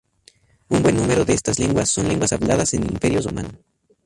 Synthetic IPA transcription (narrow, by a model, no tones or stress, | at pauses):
unbwe̞nːume̞ɾoðeest̪azleŋɡwasːo̞nleŋɡwasaβlaðase̞nḭmpe̞ɾjoroma̰no